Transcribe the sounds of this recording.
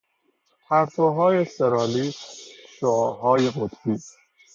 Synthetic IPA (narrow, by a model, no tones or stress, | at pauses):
hæɾt̪ʰoɦɒːjeseɾɒːliːsʃoɒːɦɒːjeɢot̪ʰbiː